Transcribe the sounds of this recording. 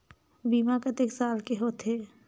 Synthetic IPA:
biːmakət̪eksaːlkeɦoːt̪ɦeː

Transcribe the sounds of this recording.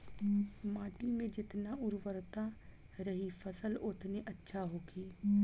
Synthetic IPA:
maːʈimẽd͡ʒɪt̪naʔʊɾʋəɾt̪a | ɾɐɦifʰəsəlʊt̪ʰneʔɐtːʃʰaɦoːkʰiː

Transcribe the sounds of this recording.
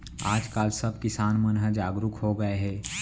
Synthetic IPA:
aːd͡ʒkaːlsɐb̚kɪsaːnmənɦəd͡ʒaːɡɾʊkɦoɡɐeɦɛː

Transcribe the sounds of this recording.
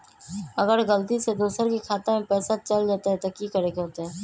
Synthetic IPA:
ɐɡəɾɣəlt̪ised̪uːsəɾkikʰaːt̪emẽpɛːsat͡ʃɐld͡ʒaːt̪aɦɛt̪okikɐɾekeɦoːt̪eɦɛː

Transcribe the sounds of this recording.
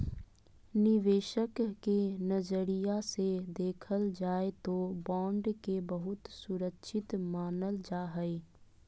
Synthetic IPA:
nɪʋeːʃəkːenəd͡ʒəɾijased̪eːkʰəld͡ʒaːet̪obɔ̃ːɳɖkebəɦʊt̪sʊɾəkʃʰɪt̪maːnəld͡ʒaːɦɛi

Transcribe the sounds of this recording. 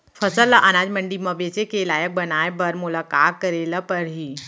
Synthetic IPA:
fʰɐsəlːaʔɐnaːd͡ʒmɐ̃ɳɖimɐ̃beːt͡ʃekeɪlaːjək̚bɐnaːebɐɾmʊlaːkaːt̪̚kəɾeːlapɐɾɦiː

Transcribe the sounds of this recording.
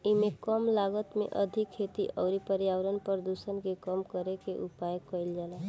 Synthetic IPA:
imekəmlaɡət̪mḛʔəd̪ʱikʰːet̪iʔəʊɾipəɾjawɾənpəɾd̪usənkekəmkəɾekeʔupajəkəjld͡ʒala

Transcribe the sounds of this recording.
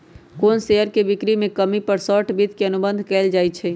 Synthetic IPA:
koːnseəɾkebikɾimẽkəmipəɾsəʈbid̪ʱkeənubənd̪ʱkɛld͡ʒajt͡ʃʰɛ

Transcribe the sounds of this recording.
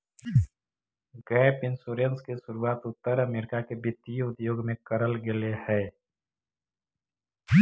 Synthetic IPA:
ɡɛːpɪnsuɾenskeʃʊɾuaːt̪ʊt̪ːəɾəmeːɾɪkakebɪt̪ːiʊd̪joːɡmẽkəɾəlɡɪlehɛː

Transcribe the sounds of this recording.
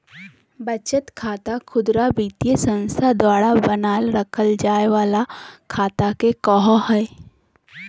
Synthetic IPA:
bət͡ʃət̪kʰaːt̪akʰʊd̪ɾabiːt̪jəsə̃nst̪ʰad̪waːɽabənaːlɾəkʰəld͡ʒaːeʋaːlakʰaːt̪akekɔɦɔhɛː

